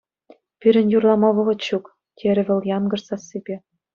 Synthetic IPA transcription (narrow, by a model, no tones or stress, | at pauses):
pyɾʲɘ̆njurlˠɑmɑβɤ̆ʁɤ̆t̪ɕuk | t̪ʲʰeɾʲɘ̆βʲɘ̆ljɑnɡɤ̆rsɑsibʲe